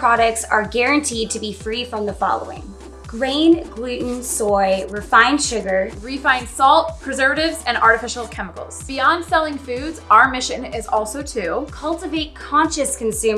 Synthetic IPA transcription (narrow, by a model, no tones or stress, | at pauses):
pʰɹ̥ɑɾɨk̚tsə˞ɡɛɹɨ̃ntʰid̚tʰɨbifɹifɹʌ̃mðəfɑ̰lˠo̰ʊɪ̰̃ŋ | ɡ̥ɹẽɪ̃nɡlʉʔn̩sɔɪɹɨfãɪ̃nʃʊɡə˞ɹifãɪ̃nsɔlˠt̚pʰɹ̥ɨzɜ˞vɨɾɪvzɨ̃nɑ̰ɹɾɨfɪʃl̩ˠkʰɛməkl̩ˠz̥b̥iɑ̃nd̥sɛlˠɪ̃ŋfʉdzaʊə˞mɪʃɨ̃nɪzɔlˠsoʊtʰʉkʰʌlˠtɨveɪt̚kʰɑ̃nʃɨskʰɨ̃n̩sʉ̃